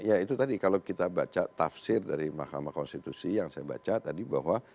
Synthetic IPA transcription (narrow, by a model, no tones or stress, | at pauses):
jait̪ut̪adikalakit̪abat͡ʃat̪afsɪrdaɾimahkamakɔnst̪it̪usijaŋsajaba̰t͡ʃat̪adiba̰ɦwa